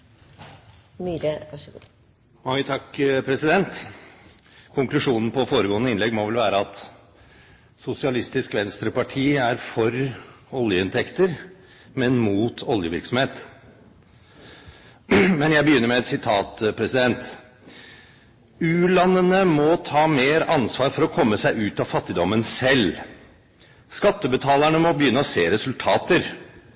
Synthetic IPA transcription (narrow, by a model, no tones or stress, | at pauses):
myːɾəɑʂɡu | mɑŋːət̪ʰɑkːpʰɾɛsɪd̪ɛnt̪ | kʰʊŋklʉʂuːnn̩pʰɔfoːɾəɡoːnəɪnlɛɡmɔʋɛlʋæːɾəɑt̪ | sʊsɪɑlɪst̪ɪskʋɛnst̪ɾəpɑʈʰiːæɾfɔɾ | ɔljəɪnt̪ʰɛkt̪əɾ | mɛnmuːt̪ʰɔljəʋɪ̰ɾksɔm̩heːt̪ | mɛnjæɪbəjʏnːəɾmɛɛt̪sɪt̪ʰɑːt̪pʰɾɛsɪd̪ɛnt̪ | ʉːlɑnːənəmɔt̪ʰɑːmeːɾʔɑnsʋɑːɾfɔɾɔkʰɔmːəsæɪʉːt̪ɑfɑt̪ːɪd̪ɔmːənsɛl | skɑt̪ːəbət̪ʰɑːlæɳəmɔbəjʏnːəɔseːɾɛsʉlt̪ʰɑːt̪əɾ